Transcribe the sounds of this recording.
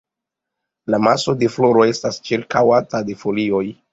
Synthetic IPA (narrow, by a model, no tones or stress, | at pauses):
lamaso̞de̞flo̞ɾo̞e̞stast͡ʃiɾkawatade̞fo̞lio̞j